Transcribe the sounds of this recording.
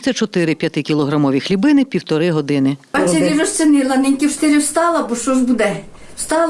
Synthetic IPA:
sʲɛt͡ʃɔt̪ɪɾɪpʲjɐt̪ɪkʲilˠɔɦɾɐmɔʋʲixlʲibɪnɪpʲiwt̪ɔɾɪɦɔd̪ɪnɪ̥ɑsʲɛʋʲirɔst̪sʲɪnɪlˠɐnɪnʲkʲiwʃt̪ɪɾʲiwst̪ɑlˠɐbɔʃɔʒbud̪ɛ̥ | st̪ɑl

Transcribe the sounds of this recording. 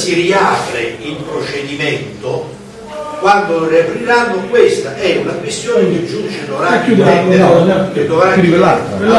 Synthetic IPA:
siriaːpɾeimpɾot͡ʃed̪imɛnt̪o | kwand̪oriapɾiɾanːokwest̪aʔɛunakwest̪joːnek̟ed͡ʒːunt͡ʃɪt̪oɾaud̪ɛeaket̪ɾovaɾud̪iela

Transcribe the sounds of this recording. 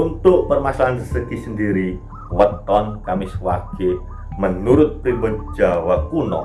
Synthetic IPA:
unt̪ʊʔpərmasalandəsəkisəndiɾi | wət̪ɔnkamɪswake | mənuɾʊt̪̚pibəd̥̚d͡ʒ̥awakunɔ̰

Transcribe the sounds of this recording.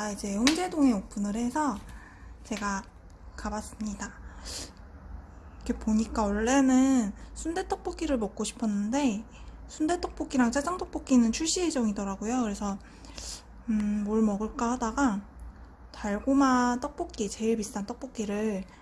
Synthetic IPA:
aid͡ʑe̞hoŋd͡ʑe̞doŋe̞op͈ʰunɯɾhe̞sʰʌ | t͡ɕe̞ɡa | kabas͈ɯmɲida | ikepoɲik͈aoɭːe̞nɯnsʰunde̞t͈ʌk̚p͈ok͈iɾɯɭmʌk̚k͈oɕʰi̥pʰʌnːɯnde̞ | sʰunde̞t͈ʌk̚p͈ok͈iɾaŋt͡ɕ͈ʰad͡ʑaŋt͈ʌk̚p͈ok͈inɯnt͡ɕʰuɭɕ͈ied͡ʑʌŋidʌɾaɡojokɯɾe̞sʰʌ | ɯmoɭmʌɡɯɭk͈ʌhadaɡa | taɭɡomat͈ʌk̚p͈ok͈̚it͡ɕe̞iɭpistʰant͈ʌk̚p͈ok͈̚iɾɯɭ

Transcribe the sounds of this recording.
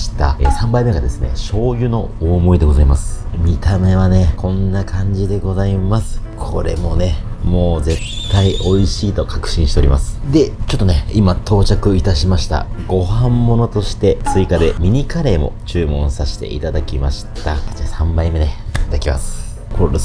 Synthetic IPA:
ɕi̥t̪a̰esãmbaime̞ɡad̪e̞sɨne̞̰ɕo̞ːjɯ̟no̞oːmo̞id̪eɡo̞zaimasɨ̥mʲit̪ame̞βane̞kʰõ̞nːakʰãɲ̟d͡ʑid̪e̞ɡo̞zaimasɨ̥kʰo̞̰ɾe̞̰mo̞ne̞mo̞ːze̞t̪ʰːaiʔo̞iɕiːt̪o̞kakɯ̟̥ɕĩɕit̪e̞o̞ɾʲimasɨ̥d̪e̞t͡ɕo̞t̪ːo̞ne̞imat̪ʰo̞ːt͡ɕakɯ̟it̪aɕimaɕi̥t̪a̰ɡo̞hãmːo̞no̞t̪o̞ɕi̥t̪e̞t͡sɨikad̪e̞mʲiɲ̟ikaɾe̞ːmo̞̰t͡ɕɨːmõ̞saɕi̥t̪e̞̰ʔḭt̪ad̪akʲimaɕi̥t̪atesãmbaime̞d̪et̪ad̪akʲima̰sɨ̥ | kʰo

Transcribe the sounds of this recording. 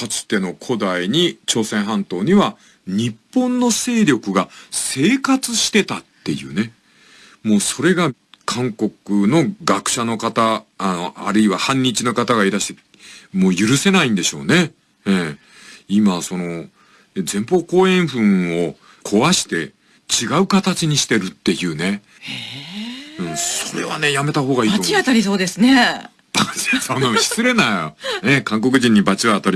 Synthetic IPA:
kat͡sɨ̥t̪e̞no̞kʰo̞d̪aiɲ̟it͡ɕo̞ːsẽ̞ɰ̃ɦãnt̪o̞ːɲ̟iβa | ɲ̟ipːõ̞nːo̞se̞ːɾʲo̞kɯ̟ɡase̞ːkat͡sɨɕi̥t̪e̞t̪at̪ːe̞̰jɯ̟̰ːne̞ | mo̞ːso̞ɾe̞ɡa | kʰãŋko̞kɯ̟no̞ɡakɯ̟̥ɕano̞kat̪aːno̞ʔa̰ɾɯ̟iβahãɲ̟ːit͡ɕino̞kat̪aɡaiɾaɕi̥t̪e̞ | moːjɯ̟ɾɯ̟se̞naĩnd̪e̞ɕo̞̰ːne̞ | e | imaso̞no̞ | zẽ̞mpo̞ːko̞ːẽ̞ɰ̃ɸɯ̟̃ɰ̃o̞ | kʰo̞βaɕi̥t̪e̞ | t͡ɕiɡaɯ̟kat̪at͡ɕiɲ̟iɕi̥t̪e̞ɾɯ̟t̪ːe̞jɯ̟ːne̞ | ɯ̟̃so̞ɾe̞̰βa̰ne̞jame̞t̪aho̞ːɡaiːaiat̪aɾʲiso̞ːd̪e̞sɨne | baesonoɕi̥sɨɾe̞najnekãŋk̬o̞kɯ̟ʑĩɲ̟ːibat͡ɕiβaːt̪aɾʲi

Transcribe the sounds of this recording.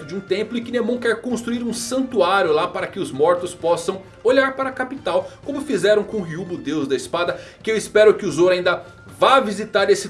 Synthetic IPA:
t̪ʊd͡ʒɪũt̪ẽmplʊɪkɪnemɐ̃w̃kɛɾkõst̪ɾuiɾũsɐ̃nt̪uaɾjʊlapaɾɐkɪʊzmɔɾt̪ʊspɔsɐ̃w̃ | oʎaɾpaɾɐkapit̪awkõmʊfizɛɾɐ̃w̃kõũɦiubʊd̪ewzd̪ɐɪspad̪ɐ | kɪewispɛɾʊkɪʊzoɾaĩnd̪ɐ | vavizit̪aɾesɪ

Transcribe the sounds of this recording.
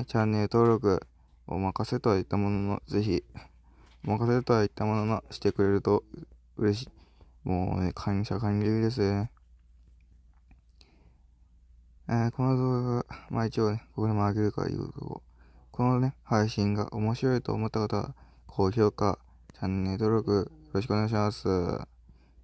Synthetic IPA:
t͡ɕãnːe̞ɾɯt̪o̞ːɾo̞k̬ɯ̟̰ | o̰makaset̪o̞ait̪ːamo̞nono̞̰ze̞çi | omakaset̪oait̪ːamo̞no̞noɕi̥t̪e̞kɯ̟ɾe̞ɾɯ̟t̪o̞ | ɯ̟ɾe̞ɕ̬i̥ː | mo̰ːnekʰãŋɕakãɲʲɾekʲid̪e̞s̬ɨne | eːko̞no̞d̪oːaɡama̰ːit͡ɕioneko̞kod̪emːɡe̞ɾɯ̟ka̰jɯ̟̰ːt̪o̰ko̰ | kʰo̞none̞haiɕĩŋɡa̰ʔo̞mo̞ɕiɾo̞it̪o̞̰ːmo̞t̪ːakat̪aβa̰ | kʰo̞ːçʲo̞ːka | t͡ɕãnːe̞d̪o̞ɾʲo̞kɯ̟jo̞ɾo̞ɕikɯone̞ɡaiɕimasɨ̰

